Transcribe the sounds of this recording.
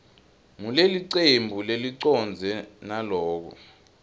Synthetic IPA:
muleliǀembʱuleliǀɔnd͡zʱɛnalɔːk̬ɔ̰

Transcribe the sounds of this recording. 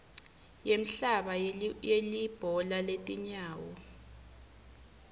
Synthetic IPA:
jem̩ɬaɓajelib̥ʱɔlaletʼiɲaːwɔ

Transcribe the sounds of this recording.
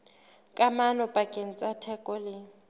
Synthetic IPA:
kʼamanɔpʼakʼen̩t͡sʼatʰɛkʼɔlɪ

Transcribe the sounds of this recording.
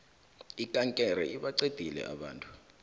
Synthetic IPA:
ikʼaŋkʼɛɾɛ̰ʔiɓaǀed̥ʱilɛ̰ʔa̰ɓa̰ːntʼu̥

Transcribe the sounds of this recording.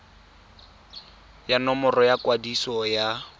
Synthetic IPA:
janɔmɔrɔjakwadisɔja

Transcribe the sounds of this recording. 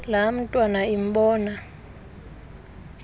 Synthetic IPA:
lam̩tʼwanaim̩ɓɔːna

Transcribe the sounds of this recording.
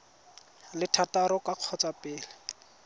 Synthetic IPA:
lɪtʰataɾɔkaq͡χʰɔt͡sapɪːlɛ

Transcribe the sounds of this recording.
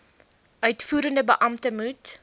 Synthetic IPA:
ʔœɥtfuːɾəndəbəʔɐmtəmut

